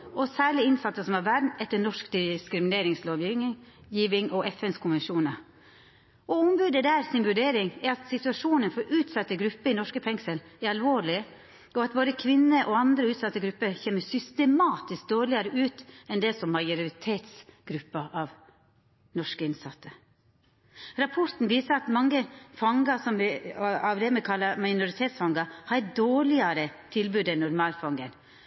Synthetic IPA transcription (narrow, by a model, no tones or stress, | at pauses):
ɔsæːɭɪɪnsɑt̪ːəsɔmɑʋæɾmɛt̪ːəɳɔʂkd̪ɪskɾɪmɪneːɾɪŋsloːʋjijiːʋɪŋʔɔʔɛfɛnskʰʊnʋɛnʂuːnə | ɔʊmbʉːd̪əd̪æːɾsɪnʋʉɖeːɾɪŋɛɾɑt̪sɪt̪ʉɑʂuːnənfɔɾʔʉːt̪sɑt̪ːəɡɾʉpːəɪnɔʂkəfɛŋsəlɛɾɑlʋoːɭɪ | ɔɑt̪̚boːd̪əkʰʋɪnːəʔɔɑnd̪ɾəʉːt̪sɑt̪ːəɡɾʉpːəçeːməsʏst̪əmɑːt̪ɪsk̚d̪oːɭɪɑɾəʔʉːt̪ɛnd̪ɛsɔmːɑɪʊɾɾɪt̪ʰeːt̪sɡ̥ɾʉpːəʔɑʋ | nɔʂkəɪnsɑt̪ʰːə | ɾɑpʰɔɾt̪n̩ʋiːsəɾɑt̪mɑŋːəfɑŋɡɑsɔmʋɪɑʋd̪ɛmɛkʰɑlːɑmɑɪnʊɾɪt̪ʰeːt̪sfɑŋɡɑhɑd̪oːɭɪɑɾət̪ʰɪlbʉːd̪ɛnʊɾmɑːlfɑŋɡən